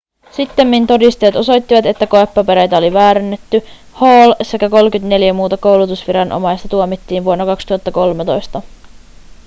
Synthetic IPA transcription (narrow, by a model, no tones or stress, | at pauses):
sit̪ːe̞mːint̪o̞dist̪ejt̪o̞so̞jt̪ːiʋɑt̪e̞t̪ːæko̞epːɑpe̞ɾejt̪æo̞liʋæːɾenːet̪ːy | hoːlse̞kæko̞lkyt̪ne̞ljæmuːt̪ɑko̞wlut̪usʋiɾɑnʔo̞̰mɑjst̪ɑt̪uomit̪ːiːnʋuonːokɑkst̪uhɑt̪ːɑko̞lmet̪o̞jst̪ɑ